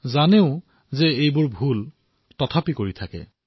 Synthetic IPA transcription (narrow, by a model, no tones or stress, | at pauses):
zaneʊ̃ | zɛejbʊɹbʱul | tɔtʰapikoɹitʰakɛ̰